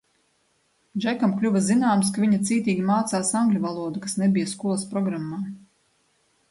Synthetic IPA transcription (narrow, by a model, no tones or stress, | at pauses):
d͡ʒakamklʲuvɐzinaːmskaviɲat̪siːt̪iːɡʲimaːt̪saːsaŋɡlʲuvalˠuɔd̪ukḁsnebijɐskuɔlˠspɾɔɡɾamːaː